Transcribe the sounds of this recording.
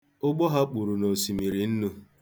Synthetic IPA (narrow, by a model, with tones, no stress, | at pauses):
ʊ˦ɡ͡bɔ˦ɦa˦k͡pu˨ɾu˨no˨si˨mi˨ɾi˨n̩˦nu˦